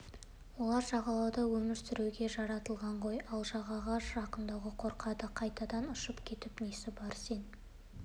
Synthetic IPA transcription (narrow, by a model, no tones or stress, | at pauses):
wo̞lˠɑɾʒɑʁɑlˠɑwd̪ɑwɵmɪɾsʏɾewɡʲe̞ʒɑɾɑt̪əlˠʁɑɴʁo̞jɑlˠʒɑʁɑʁɑʒɑqənd̪ɑwʁəqʰo̞ɾqʰɑd̪əqʰɑjt̪ɑd̪ɑnʊʃəpkʲʰe̞t̪ɪpnesɪbɑɾse̞n